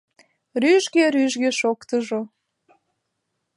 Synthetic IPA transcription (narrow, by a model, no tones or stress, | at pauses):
ryʒɡeɾyʒɣeʃokt̪əʒo